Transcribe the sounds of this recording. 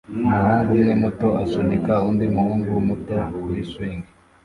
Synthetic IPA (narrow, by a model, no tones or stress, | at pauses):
ahaːndinemuto̞asunikauːndimuhuːŋɡuwmutowiswiːŋɡe